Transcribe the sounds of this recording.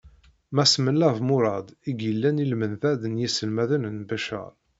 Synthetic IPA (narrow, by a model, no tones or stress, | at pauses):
mæsməlːævmʊɾˤɑd̪ˤiɡjəlːænilmənθæðənjisəlmæðənənbæʃə̰ɾˤ